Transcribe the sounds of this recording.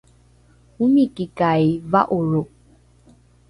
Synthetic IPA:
umikikajvaʔoɻo

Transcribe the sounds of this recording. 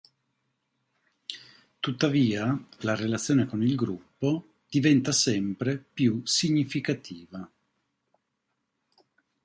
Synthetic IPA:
t̪ut̪ːaviːalarelat̪sːjoːnekonilɡɾupːo | d̪̥ivɛnt̪asɛmpɾepjusiɲːifikat̪ʰiːva

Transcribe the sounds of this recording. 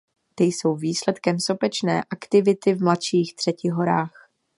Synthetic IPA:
t̪ɪjso̞wviːslɛt̪kɛmsopɛt͡ʃnɛ̰ːʔakt̪ɪvɪt̪ɪvmlat̪ʃiːxt̪r̝̥ɛcɪɦo̞ɾaːx

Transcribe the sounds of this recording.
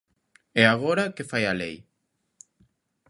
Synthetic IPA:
ɛaɣoɾakefajalḛj

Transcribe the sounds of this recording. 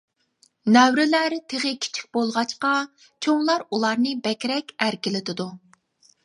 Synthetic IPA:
nɛwɾɪlæɾt̪ʰeʁɨkʲʰi̥t͡ʃʰi̥k̚ʲbolˠʁɑt͡ʃqɑ | t͡ʃʰoŋlˠɑɾulˠɑɾnɨbɛkʲɾɛkʲæɾkʲɪlɪt̪ʰɪd̪u

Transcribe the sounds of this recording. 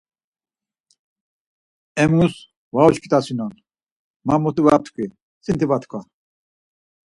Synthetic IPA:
ɛmŋus | valɔt͡ʃkʰi̥t̪ʼasinɔn | mamɔt̪uvat̪ʰkʷʰʼi | sint̪ivat̪ʰkʰɔ

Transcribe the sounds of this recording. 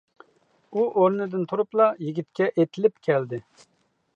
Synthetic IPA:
uʔoɾnɨd̪ɪnt̪ʰuɾuplˠɑjiɡʲit̪̚kʲɛʔet̪ʰɪlɪpkʲʰɛld̪ɪ

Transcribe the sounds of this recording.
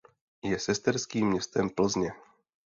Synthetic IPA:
jɛsɛst̪ɛɾskiːmːɲɛst̪ɛmpl̩zɲɛ

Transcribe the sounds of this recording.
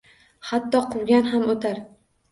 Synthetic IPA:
hat̪ːɒqʰʊwɡʲanɦamot̪ʰaɾ

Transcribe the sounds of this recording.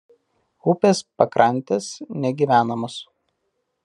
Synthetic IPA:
ʊpʲeːspɐkɾʔɐnʲˑt̪ʲesnʲɛɡʲiːʋʲæːnɐmos

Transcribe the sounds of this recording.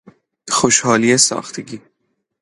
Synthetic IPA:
xoʃhɒːliːesɒ̰ːxt̪ʰeɡʲiː

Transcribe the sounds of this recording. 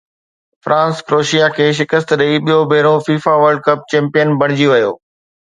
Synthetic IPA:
fɾʔãːnskɾoːʃijakʰeːʃ̬ɪkəst̪ɗəiɓijobʱeːɪɾõfiːfaʋəɾɖ̚kɐp̚t͡ɕɛ̃ːmpijənbʱɐɽ̃ɪd͡ʑiʋɐjo̰ː

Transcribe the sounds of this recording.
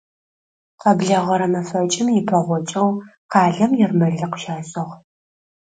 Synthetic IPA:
qɐbɮɐʁɐɾɐmɐfɐt͡ʃʼɪmjɪpʰɐʁʷɔt͡ʃʼɐwqɑːɮɐmjɛrmɐɮɨqə̥ʃaːɕʼɐʁ

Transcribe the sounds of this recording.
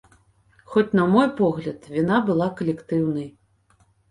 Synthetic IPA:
xɔt͡sʲnɐmɔjpɔɣlʲɐt̪vʲinabɨlˠakɐlʲɛkt̪ɨwn̪ɐj

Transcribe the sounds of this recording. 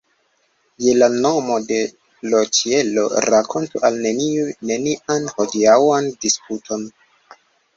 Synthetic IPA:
je̞lano̞mo̞de̞ | lot͡ʃie̞lo̞̰ɾakʰo̞ntuʔalne̞niune̞niʔanho̞diawandisputʰo̞n

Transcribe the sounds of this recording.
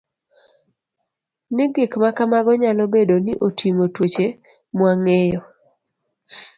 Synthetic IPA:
nɪɡɪkmakamaɡɔɲalɔbedonɪʔotiŋotwot͡ʃe | mwaŋejɔ

